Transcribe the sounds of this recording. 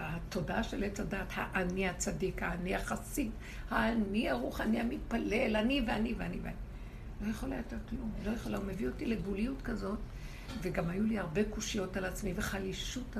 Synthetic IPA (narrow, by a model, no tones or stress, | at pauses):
hato̞daʃe̞let͡sadaːthaʔaniat͡sadikhaːniaχasit | haːniaʁuχaniamit̚pale̞laniveaniveanivea̰ni | lo̞jeχolajot̪etklumlo̞jeχolaume̞vio̞tilebuliutkazo̞t | veɡamajuliaʁbe̞kuʃijo̞talat͡smiveχaliʃut